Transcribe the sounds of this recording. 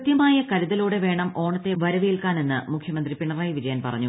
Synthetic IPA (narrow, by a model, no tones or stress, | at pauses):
t̪jɐmaːjɐkɐɾiðɐluːɽe̞ʋe̞ːɳɐmo̞ːɳɐt̪ːe̞ʋɐɾɐʋijilkaːne̞nːɨmukʰjɐmɐnd̪ripiɳːɐraːjʋid͡ʑɐjaːnpɐ̰rɐ̰ɲːu